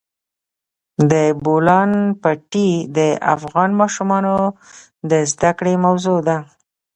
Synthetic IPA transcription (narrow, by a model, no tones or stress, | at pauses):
d̪əbolɑnpaʈid̪əa̰fɣɑnmɑʃumɑno | d̪əzd̪akɽemawzod̪a